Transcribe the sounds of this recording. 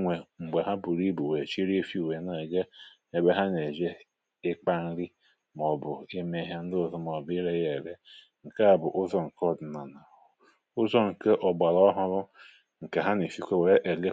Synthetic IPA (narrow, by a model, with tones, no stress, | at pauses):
ŋʷe˨ŋ͡m̩˨ɡ͡be˨ɦa˦bu˨ɾi˦bu˨we˨t͡ʃi˦ɾi˦e˦fi˦u˨we˨na˨ɡe˦ | e˨be˦ɦa˦ne˨d͡ʒe˦ | ɪ˦k͡pa˦n̩˦ɾi˦ | mɔ˨bʊ˨e˦me˦ɦa˦n̩˦dʊ˦ʊ˦˨zɔ˦m˨ɔ˨bɪ˦ɾe˦je˨ɾe˦ | ŋ̩˨ka˦a˨bʊ˨ʔʊ˦zɔ˨ŋ̩˨kɔ˦d̩˨na˨na˨ | ʊ˦zɔ˦ŋ̩˨ke˦ʔɔ˨ɡ͡ba˨ɾɔ˦ɦʊ˦ɾʊ˦ | ŋ̩˨ke˨ɦa˦ne˨fi˦kʷe˦we˨e˦ʔe˨ɡe˦